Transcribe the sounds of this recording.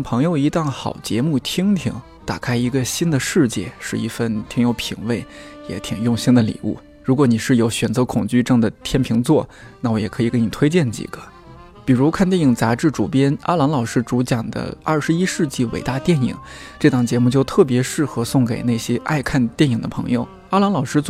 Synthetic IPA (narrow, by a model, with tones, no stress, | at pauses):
ŋpʰɤ˧˥ŋjo˧ʊi˧˥t̪ɑ˥˩ŋxɑ˨˩ʊt͡ɕjɛ˧˥mu˥˩t̪ʰi˥ŋt̪ʰḭ˧˩ŋ | t̪a˨˩kʰa˥ɪi˧˥ɡə˧ɕi˥nd̪ə˨ʂɻ̩˥˧t͡ɕjɛ̰˥˧ʂɻ̩˥˧i˧˥˩fə˥˩nt̪ʰi˧˥ŋjo˧˥ʊpʰḭ˨˩ŋwe˥˩ɪjɛ̰˧˥t̪ʰi˨˩ŋjʊ˥˧ŋɕi˥ŋd̪ə˨lḭ˨˩ṵ˥˩ | ɻu˧˥kwɔ˧˥ni˨˩ʂɻ̩˥˩jo˧˥ʊɕɥɛ˨˩nt͡sɤ˧˥kʰʊ˨˩ŋt͡ɕy˥˧ʈ͡ʂɤ˥˩ŋd̪ə˩t̪ʰjɛ˥npʰi˧˥ŋt͡swɔ˥˩ | na˥˩wɔ˧˥jɛ˨˩kʰɤ˧˥i˨˩ke˧˥ni˨˩t̪ʰwe˥ɪt͡ɕjɛ˥˩nt͡ɕḭ˨˩ɡ̥ə˦ | pi˨˩ɻu˧˥kʰa˥˧nt̪jɛ˥˩ni˨˩ŋt͡sa˧˥ʈ͡ʂɻ̩˥˩ʈ͡ʂu˨˩pjɛ˥na̰˥lɑ˧˥ŋlɑ˨˩ʊʂɻ̩˥ʈ͡ʂu˧˥t͡ɕjɑ˨˩ŋd̪ə̰˦ɐ˞˥˩ʂɻ̩˧˥i˥ʂɻ̩˥˧t͡ɕi˥˩wḛ˨˩ɪt̪a˥˧t̪jɛ˥˩nḭ˨˩˦ŋʈ͡ʂɤ˥˩t̪ɑ˨˩ŋt͡ɕjɛ˧˥mu˥˧t͡ɕjo˥˧ʊt̪ʰɤ˥˩p̬jɛ˧˥ʂɻ̩˥˩xɤ˧˥sʊ˥˩ŋke˨˩ɪne˥˩ɪɕjɛ˥ʔa̰˥˧ɪkʰa˥˧nt̪jɛ˥˩ni˨˩ŋd̪ə˦pʰɤ̰˧˥ŋjo˧ʊ | a˥lɑ˧˥ŋlɑ˨˩ʊʂɻ̩˥